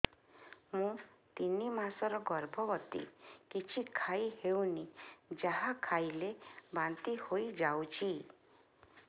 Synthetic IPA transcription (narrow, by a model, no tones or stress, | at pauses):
mũt̪inimasɔɾɔɡɔɾbʱɔbɔt̪ḭkit͡ʃʰikʰaihewnid͡ʒaɦakʰajlebant̪ihoid͡ʒawt͡ʃʰi